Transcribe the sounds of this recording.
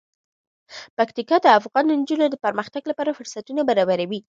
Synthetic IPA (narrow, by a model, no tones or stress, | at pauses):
pakt̪ikɑd̪əafɣɑnənd͡ʒunod̪əpəɾməxt̪aɡlapɑɾafʊɾsat̪unabaɾɑbaɾawi